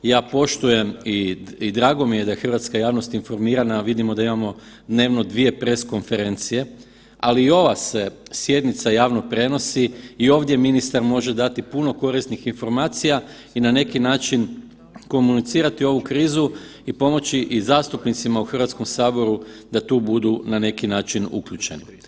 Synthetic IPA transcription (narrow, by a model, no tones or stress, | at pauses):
jaːpo̞ʃt̪uje̞miid̪ɾaːɡo̞mije̞d̪ajexr̩ʋat̪skajaːʋno̞st̪info̞ɾmiːɾanaʋid̪imod̪aimamo̞ | d̪ne̞ːʋno̞d̪ʋije̞pɾe̞sko̞nfe̞ɾe̞nt̪sije̞ | aliːo̞ʋase̞sje̞d̪nit̪sajaːʋno̞pɾe̞no̞siːo̞ːʋd̪je̞minist̪aɾmo̞ʒe̞d̪at̪ipuno̞ko̞ɾist̪nixinfo̞ɾmaːt̪sija | inane̞kinaːt͡ʃin | ko̞munit̪siːɾat̪io̞ʋukɾiːzuipo̞mo̞t͡ɕiʔizaːst̪upnit̪simauxr̩ʋat̪sko̞msaːbo̞ɾud̪̥at̪uːbud̪unane̞kinaːt͡ʃinṵkʎut͡ʃe̞ni